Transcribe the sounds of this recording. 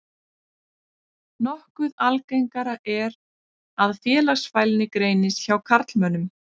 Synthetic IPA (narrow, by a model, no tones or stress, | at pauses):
nɔhkʏðalkejŋkaɾaʔɛɾ | aðfjɛːlaɣsfajlnɪkɾeːjnɪsçawkʰaɾt̪lmœnːʏm